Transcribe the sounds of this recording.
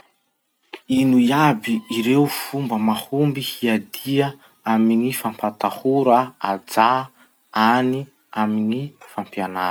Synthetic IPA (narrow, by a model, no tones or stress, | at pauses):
inuiabiiɾeufumbəmahumbihiad̪iə | aminifampat̪ahuɾəad͡za | ani | aminifampianaɾ